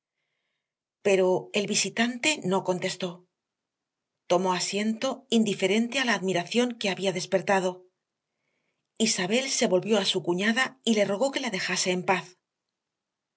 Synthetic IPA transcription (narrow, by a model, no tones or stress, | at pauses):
pe̞ɾo̞e̞lβisit̪ant̪e̞no̞ko̞nt̪e̞st̪o̞ | t̪o̞mo̞asje̞nt̪o̞ind̪ife̞ɾe̞nt̪ealaːðmiɾaθjo̞ŋke̞aβiaðe̞spe̞ɾt̪aðo̞ | isaβe̞lse̞βo̞lβjo̞asukuɲaðaile̞ro̞ɣ̞o̞ke̞laðe̞xase̞ːmpaθ